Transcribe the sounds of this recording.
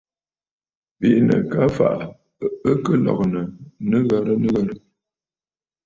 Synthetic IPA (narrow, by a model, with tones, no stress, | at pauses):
pi˦˨ʔnə̰˨ka˨˦fa̰˨ʔ | ə˦kə˦lɔ̰˨k̚nə˨nə˦ɣa˦ɾə˦nə˦ɣa˦ɾə˦